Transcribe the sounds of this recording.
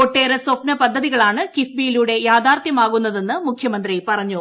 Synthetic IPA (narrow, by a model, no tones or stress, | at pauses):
oʈːeːɾɐswɐpnɐpɐd̪ʱːɐðiɣɐɭaːɳɨkifbijiluːɽe̞jaːd̪aːrt̪jɐmaːɣunːɐðe̞nːɨmukʰjɐmɐnd̪ripɐrɐɲːu